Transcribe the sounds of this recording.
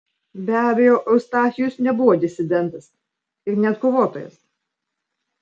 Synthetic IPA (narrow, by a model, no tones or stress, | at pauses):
bʲæːbʲejoːʔɔʊst̪ɑːxʲɪjʊsnʲɛbʊʋoːd̪ʲɪsʲɪd̪ʲɛnˑt̪ɐs | ɪɾnʲɛt̪koːʋoːt̪oːjɛ̰s